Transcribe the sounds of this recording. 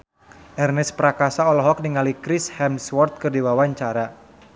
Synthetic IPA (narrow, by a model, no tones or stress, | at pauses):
ʔɛrnɛspɾakasaɔlɔɦɔk̚niŋalikɾishɛmswɔrt̪̚kɨrdiwawaɲt͡ʃaɾa